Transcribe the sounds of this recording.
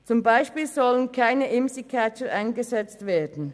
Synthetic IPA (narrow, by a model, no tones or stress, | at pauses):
t͡sʊmbaɪʃpiːlzɔlənkʰaɪnəʔɪmsikʰat͡ʃəʔaɪnɡəzɛt͡stv̥eːɐdn̩